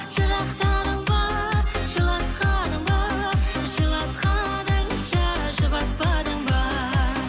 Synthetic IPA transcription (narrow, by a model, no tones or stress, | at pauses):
ʒ̥əʁɑqt̪ɑd̪əɴbɑʒ̥əlˠɑt̪qɑd̪əɴbɑʒəlˠɑt̪qʰɑd̪əɴʃɑʒəbɑs̚pɑd̪əɴbɑ